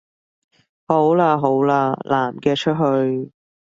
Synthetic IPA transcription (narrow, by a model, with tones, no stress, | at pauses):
ho˨˥wlaː˧ɦo˨˥wlaː˧lʔaː˨˩mkɛː˧t͡ʃʰɵ˥t̚ɦɵ˧ɥ